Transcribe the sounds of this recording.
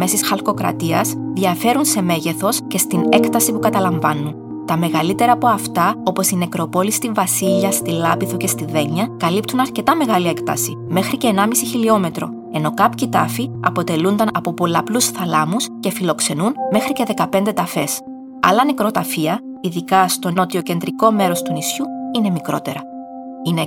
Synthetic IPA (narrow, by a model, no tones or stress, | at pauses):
mesisxɐlko̞kɾɐ̰t̪iɐsðiɐfe̞ɾunse̞me̞ʝe̞θo̞sce̞st̪ine̞kt̪ɐsipukɐt̪ɐlɐɱvɐnːun | t̪ɐme̞ɣɐlit̪e̞ɾɐːpo̞ɐft̪ɐo̞po̞sine̞kɾo̞po̞list̪iɱvɐsiʎɐst̪ilɐpiθuce̞st̪iðe̞ɲːɐkɐlipt̪unɐɾce̞t̪ɐme̞ɣɐlie̞kt̪ɐ̰si | me̞xɾice̞ːnɐmisiçilio̞me̞t̪ɾo̞̰ | e̞no̞kɐpçit̪ɐfiɐ̰po̞t̪e̞lund̪ɐnɐpo̞po̞lɐplusθɐlɐmusce̞filo̞kse̞nunme̞xɾice̞ðe̞kɐpe̞nd̪e̞t̪ɐfe̞s | ɐ̰lɐnekɾo̞t̪ɐfiɐ | iðikɐst̪o̞no̞t̪io̞ce̞nd̪ɾiko̞me̞ɾo̞st̪unisçuine̞mikɾo̞̰t̪e̞ɾɐ | ine